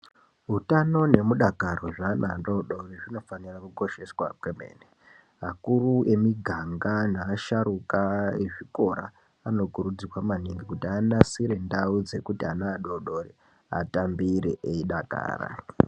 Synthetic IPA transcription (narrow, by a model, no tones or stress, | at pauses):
ɦutano̞ne̞muɗakaro̞ʐanando̞ɗo̞riʐino̞fanirakuko̞ʃe̞swakweme̞̰ːne | makurue̞miɡʱaŋɡanaːʃaɾukaeʐiko̞ɾaː | no̞kuɾud͡zirwamaniŋɡikutiandasiɾe̞ndaud͡ze̞kutianaːɗo̞ɗo̞ri | a̰tambiɾeʔeiɗaka̰ːra̰